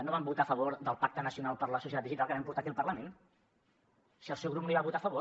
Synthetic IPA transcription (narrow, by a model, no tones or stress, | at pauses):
noβambut̪afəβoɾd̪əlˠpak̚t̪ənəsiunalˠpəɾləsusit̪at̪ðiʒit̪alˠkəɛmpuɾt̪akiəlˠpəɾləmẽn | siəlˠsɛwɣɾupnoiβaβut̪afəβo